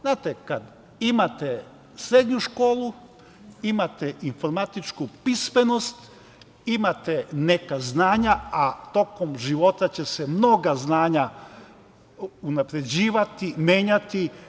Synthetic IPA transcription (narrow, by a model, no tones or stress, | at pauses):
znaːt̪ekad̪ | imat̪e | sɾe̞d̪ɲuʃko̞ːlˠu | imat̪eʔinfo̞ɾmat̪it͡ʃkupismeno̞st̪ | imat̪ene̞kaznaːɲaat̪o̞ko̞mʒiʋo̞t̪at͡ɕe̞semno̞ɡaznaːɲa | unapɾe̞d͡ʑiːʋat̪imje̞ːɲat̪i